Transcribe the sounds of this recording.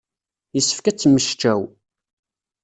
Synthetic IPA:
jəsːə̥fkæt͡sːmːəʃt͡ʃæw

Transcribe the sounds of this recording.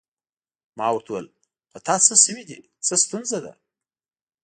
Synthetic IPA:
mɑ̰wɾt̪wəl | xot̪ɑt͡səsəwid̪ḭ | t͡səst̪unzad̪a̰

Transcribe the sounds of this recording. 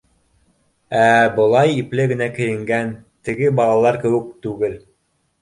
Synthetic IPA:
æbɤ̆lˠɑjiplɘɡɘ̆nækɘ̆jɘ̆ŋɡænt̪ɘ̆ɡɘbɑlˠɑlˠɑɾkɘ̆wɘ̆k̚t̪ʉɡɘl

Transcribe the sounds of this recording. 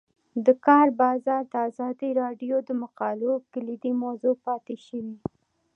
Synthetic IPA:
d̪əkɑɾbɑzɑɾd̪əazɑd̪iɾɑɖjod̪əmaqɑlokəlid̪imazopɑt̪eʃəwi

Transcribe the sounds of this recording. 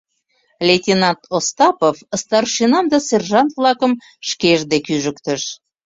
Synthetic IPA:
lʲetʲinɑnt̪ost̪ɑpofəst̪ɑrʃinɑmd̪ɑserʒɑnt̪vlɑkə̆m | ʃkeʒd̪ekyʒəkt̪əʃ

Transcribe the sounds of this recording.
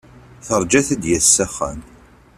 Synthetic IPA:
θəɾˤd͡ʒæθæd̪jæsːæχːæ̰n

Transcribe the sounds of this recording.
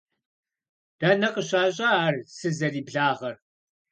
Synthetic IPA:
d̥ɐnɐqəɕaːɕʼɐaːrsɨzɐriːbɮaːʁɐr

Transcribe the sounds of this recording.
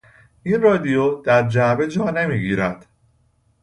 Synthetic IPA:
ʔiːnrɒːd̪ijod̪̥æɾd͡ʒæbe̞d͡ʒɒːne̞miːɡiːɾæd̪̥

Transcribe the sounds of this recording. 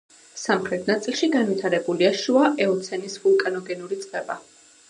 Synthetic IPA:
samχɾɛt̪̚ʰnat̪sʼilˠʃiɡanvit̪ʰaɾɛbuliaʃuaʔɛɔt̪sʰɛnisvulˠkʼanɔɡɛnuɾit̪sʼqʼɛba

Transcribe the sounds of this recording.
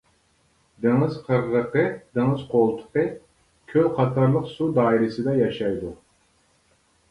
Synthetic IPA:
d̪ɪŋəz̥qʰəɾːəqəd̪eŋəzqʰolˠt̪ʰə̥qə | kʲʰølqʰɑt̪ʰɑɾlˠəqsud̪ɑːiɾɪsɨd̪ɑjɑʃɑjd̪u

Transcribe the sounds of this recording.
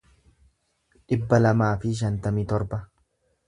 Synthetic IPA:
ɗɪbːɐlɐmaːfɪʃ̬ɐnt̪ɐmiːt̪ɔɾbɐ

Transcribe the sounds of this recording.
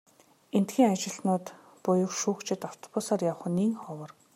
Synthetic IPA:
en̥t̪ɡiːŋat͡ɕɪ̆ɮnʊːt̪ | pʊjʊ̆kʃuːkt͡ɕʰɪ̆t̪aw̥t̪ʰɔ̥pʊsaːrjawχə̆niːŋχɔwə̆r

